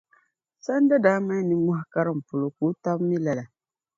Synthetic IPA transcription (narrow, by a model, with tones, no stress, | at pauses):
sa˦n˦da˦daː˨˦ma˦nɨ˦mɔ˦ha˦ka˦ɾɨ˦˨m̩˨pʊ˨lo˨ku˨˦ta˦bmi˦la˨la˨